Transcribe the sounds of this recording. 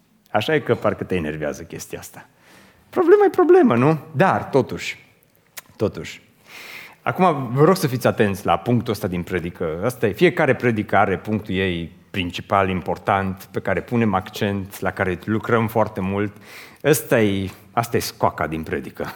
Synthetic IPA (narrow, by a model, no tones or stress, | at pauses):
aʃajekəparkət̪eene̞rvea̰zəkʲe̞st̪iaast̪ḁ | pɾo̞ble̞majepɾo̞ble̞mənud̪art̪o̞t̪uʃʲ | t̪o̞t̪uʃʲ | a̰kumavəɾo̞ɡsəfit̪sʲat̪e̞nt̪sʲla̰puŋk̚t̪uəst̪ad̪inpɾe̞d̪ikəəst̪ajefije̞kaɾe̞pɾe̞d̪ikəaɾe̞puŋk̚t̪uje̞j | pɾint͡ʃipalimpo̞rt̪ant̪pe̞kaɾe̞pune̞makt͡ʃe̞nt̪lakaɾelukɾəmfoart̪e̞mult̪əst̪aje | ast̪aje̞skaka̰d̪inpɾe̞d̪ikə